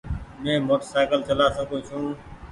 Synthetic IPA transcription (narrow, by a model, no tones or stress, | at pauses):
mẽːmoːʈəsaːɪkəlt͡ʃəlaːsəɡõːt͡ʃʰũː